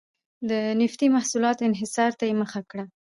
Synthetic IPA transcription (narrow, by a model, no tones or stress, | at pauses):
d̪ənɪft̪imahsulɑt̪oɪnɦɪsɑɾt̪ajeməxakɽa